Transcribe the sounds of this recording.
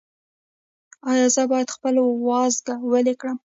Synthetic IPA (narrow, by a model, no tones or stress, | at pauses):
ɑjɑzəbɑjad̪xpəlowɑzɡawəlekɽəm